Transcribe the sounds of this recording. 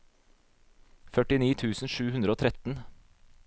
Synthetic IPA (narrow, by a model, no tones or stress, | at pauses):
fœʈɪniːt̪ʰʉːsn̩ʃʉːhʉnd̪ɾəoːt̪ʰɾɛt̪n̩